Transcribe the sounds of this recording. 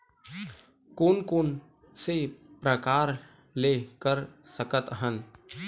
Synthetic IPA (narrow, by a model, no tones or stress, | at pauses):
koːnkon | sepɾəkaːɾ | leːkəɾsəkət̪ɦən